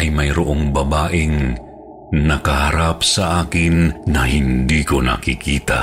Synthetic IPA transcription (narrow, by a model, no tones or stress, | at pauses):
ʔɐjmɐjɾoʔoŋbɐbaːʔɪŋ | nɐkɐhaɾap̚sɐʔaːkɪnːɐhɪnd̪iːko̞nɐ̰kikiːt̪a̰